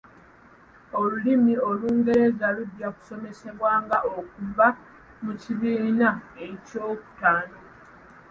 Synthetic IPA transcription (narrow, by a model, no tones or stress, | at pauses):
o̞lulimio̞luːŋɡe̞ɾe̞zaludjaku̥so̞me̞se̞βwaːŋɡaʔo̞k̚uva | muciβiːnae̞co̞ːku̥taːno